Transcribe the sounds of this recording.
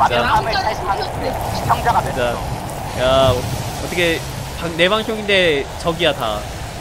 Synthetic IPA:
aaŋɯɭsʰaɭɕʰiaŋ | ɯɕʰi̥t͡ɕʰʌŋd͡ʑaɡaded͡ʑa | jaʌt͈ʌkʰe | paŋne̞baŋɕʰoŋinde̞t͡ɕʌɡiata̰

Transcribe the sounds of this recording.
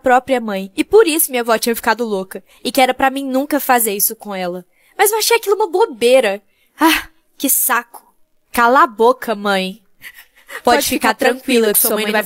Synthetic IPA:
pɾɔpɾiɐmɐ̃j̃ɪpoɾisʊmĩɲavɔt͡ʃĩɲɐfi̥kad̪ʊlokɐ | ɪkɪɛɾɐpɾɐmĩj̃nũkɐfazeɾisʊkõɛlɐ | mɐzewaʃejakilʊũmɐbobeɾɐ | a | kɪsakʊ̥ | kalabokʰɐmɐ̃j̃ | pɔd͡ʒɪfikaɾt̪ɾɐ̃kwilɐsumuɐm̃j̃nɐ̃vaj

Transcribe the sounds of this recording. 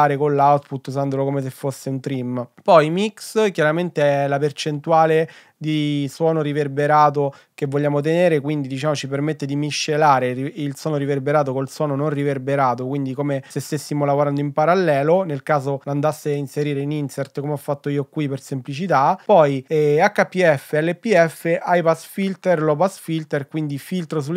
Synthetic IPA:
aːɾekonlːawt̪put̪ːuzand̪olokomes̬efːosːeunt̪ɾimpɔjmikskjaɾament̪eɛlapert͡ʃent̪uaːle | d̪iswɔːnoɾiverbeɾaːt̪o | kevːolʎːaːmot̪̬eneːɾek̬wind̪id̪it͡ʃaːmot͡ʃipermet̪ːed̪imiʃːelaːɾeiilswɔːnoɾiverbeɾaːt̪̬okolswɔːnononriverbeɾaːt̪okwind̪ikomesest̪esːimolavoɾand̪oimpaɾalːɛːlonelkaːzoland̪asːeainseɾiːɾeininsert̪komeɔfːat̪ːoiːokwipersemplit͡ʃit̪apɔjɛakːapːiɛfːeɛlːepːiɛfːeʔajpasfilt̪erlɔpasfilt̪erkwind̪ifilt̪ɾos̬ulː

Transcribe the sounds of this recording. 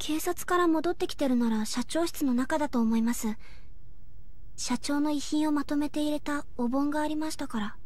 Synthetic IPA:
kʰe̞ːsat͡sɨ̥kaɾamo̞d̪o̞t̪ːe̞kʲi̥t̪e̞ɾɯ̟naɾaɕat͡ɕo̞ːɕi̥t͡sɨno̞nakad̪at̪o̞ːmo̞imasɨ | ɕat͡ɕo̞ːno̞içĩɰ̃o̞mat̪o̞me̞t̪e̞iɾe̞t̪a | obõ̞ŋɡaːɾʲimaɕi̥t̪akaɾa

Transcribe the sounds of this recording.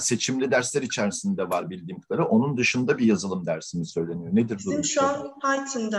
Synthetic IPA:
se̞t͡ʃʰimlʲid̪æɾslʲæɾit͡ʃʰæɾisind̪ɛvaɾbilʲd̪iːmkʰɯd̪aɾɯʔo̞nund̪ɯʃɯnd̪abijazɯlˠɯmd̪æɾsimisø̞jlʲe̞nijoned̪iɾd̪uɾmʃanhajt̪ʰind̪a

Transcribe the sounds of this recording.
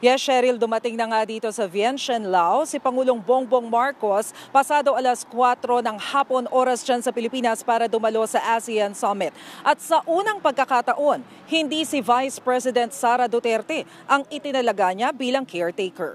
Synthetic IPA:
jɛʃɛɾɪld̪ʊmɐt̪ɪŋnɐŋad̪iːt̪o̞sɐvjɛnʃɐnlawsɪpɐŋuːloŋboŋboŋmaɹko̞spɐsaːd̪o̞ʔɐlɐskwat̪ɾo̞nɐŋhaːpo̞nʔo̞ːɾɐsd͡ʒansɐpɪlɪpiːnɐspaːɾɐd̪ʊmɐlo̞sɐʔasɪjɐnsɐmɪt̪̚ʔɐt̪̚sɐʔuːnɐŋpɐɡ̚kɐkat̪ɐʔo̞n | hɪnd̪isivajspɹɛsɪd̪ɛnt̪̚saːɾɐd̪ot̪ɛɾt̪ɛ | ʔɐŋɪt̪ɪnɐlɐɡaɲabiːlɐŋkʰɛɹt̪ejkɛ̰ɹ

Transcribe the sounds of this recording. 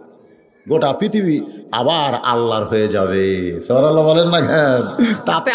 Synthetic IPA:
ɡoʈapɾit̪ʰibia̰baɾa̰lːaɾɦoed͡ʑaβesebaɾalːabɔlenːakʰɛnt̪at̪e

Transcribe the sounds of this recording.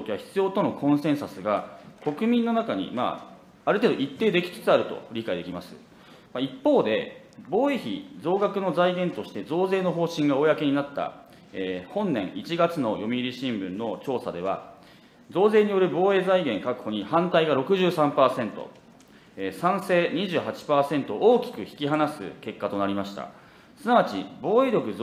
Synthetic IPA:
okʲiβaçʲi̥t͡sɨjo̞ːt̪o̞no̞kʰõ̞ɰ̃sẽɰ̃sasɨɡako̞kɯ̟mʲĩnːo̞nakaɲ̟ḭma̰ | aɾɯ̟t̪eːd̪oʔit̪ːe̞ːd̪e̞kʲi̥t͡sɨ̥t͡sɨaɾɯ̟t̪o̞̰ɾʲikaid̪e̞kʲimasɨ̰ | maipːo̞ːd̪e̞ | bo̞ːe̞çḭd͡zo̞ːɡakɯ̟no̞zaiɡẽ̞nt̪o̞ɕi̥t̪e̞zo̞ːze̞ːno̞ɦo̞ːɕĩŋɡaojake̞ɲ̟inat̪ːa̰ | eːhõ̞nːẽ̞̰ɰ̃it͡ɕiɡat͡sɨno̞jo̞mʲiiɾʲiɕĩmbɯ̟̃nːo̞t͡ɕo̞ːsad̪e̞β̞a̰ | zo̞ːze̞ːɲ̟ijo̞ɾɯ̟bo̞ːe̞ːzaiɡẽ̞ŋkakɯ̟̥ho̞ɲ̟ihãnt̪aiɡaɾo̞kɯ̟ʑɨːsãmpaːsẽ̞nt̪o̞̰ | sãɰ̃se̞ːɲ̟iʑɨːɦat͡ɕi̥paːsẽ̞nt̪o̞oːkʲi̥kɯ̟çi̥kʲiɦanasɨ̰ke̞kːat̪o̞naɾʲimaɕi̥t̪a̰ | sɨnaβat͡ɕibo̞ːe̞ːɾʲo̞kɯ̟

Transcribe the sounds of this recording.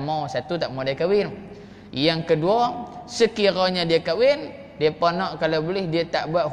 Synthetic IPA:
mawsat̪ut̪aʔmodajkawɪn | jaŋkəduɔsəkiɾɔɲadiakawɪn | diapɔnɔʔkalawbolɪhdiat̪aʔbuaʔ

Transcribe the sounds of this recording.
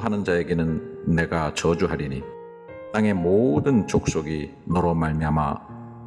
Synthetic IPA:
ɦanɯnd͡ʑaeɡenɯnːe̞ɡat͡ɕʌd͡ʑuɦaɾiɲi | t͈aŋe̞modɯnt͡ɕok̚s͈oɡinʌɾʌmaɭmiɦama̰

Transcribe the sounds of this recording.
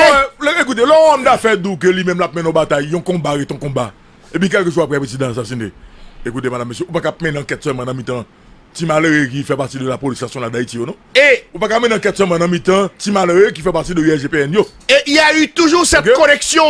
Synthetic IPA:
ɛlek̬ut̪̬elɔ̃ɔ̃md̪afɛd̪uk̬ølimɛ̃mlap̚mɛ̃nɔ̃bat̪ajːɔ̃kɔ̃baɣet̪ɔ̃kɔ̃ba | epĩk̬ɛlkəʒoapɛpʁezid̪ãs̬asĩnd̪ḛekut̪̬emadamːes̬jøupakap̚mɛ̃nãkɛt̪sɛlmãnãmĩt̪ɐ̃ | timaləɣek̬ifɛpaʁtid̪əlapolisasjɔ̃lad̪aitijonɔ̃ | eupakapmɛ̃nɐ̃kɛt̪sɛlmãnɐ̃mit̪ãtimaləɣek̬ifɛpatidəyɛʒepeɛnjo | eijayt̪uʒusɛtkekonɛksjɔ̃

